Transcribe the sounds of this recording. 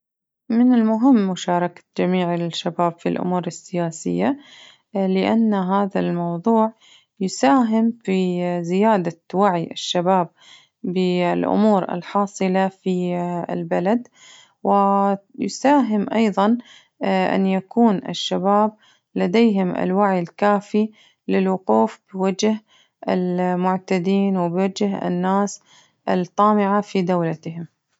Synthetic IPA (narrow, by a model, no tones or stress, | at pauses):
mɪnɪlmʊɦɪmːʊʃɑːɾˤɑkḁd͡ʒamiːʕɪʃːabaːbfilʔʊ̰muːɾɪsːɪjaːsɪjːa | lɪʔanːɦaːðalmɑwðˤuːʕ | jʊsaːɦɪmfizɪjaːd̪awaʕjʔɪ̰ʃːabaːb̚ː | ɪlʔʊ̰muːɾɪ̰lħɑːsˤɨlafiɪ̰lbalad̪ | wɪjsaːɦɪmʔɑjðˤɑn | ʔa̰njakuːnɪ̰ʃːabaːb̚ | lad̪ejɦɪmʔɪ̰lwaʕjɪlkaːfi | lɪlwʊquːfb̥ɪwad͡ʒh | ʔɪlmʊʕt̪ad̪iːnwɪbɪwad͡ʒhɪ̰nːaːs | ʔɪlt̪ˤːɑːmɪʕafid̪awlat̪hɪm